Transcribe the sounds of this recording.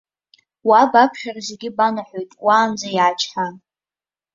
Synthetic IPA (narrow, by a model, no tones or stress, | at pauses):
wabapʰχʲarzeɡʲɪbanaħojtʼwaːnd͡zajaːt͡ʃʰʼħa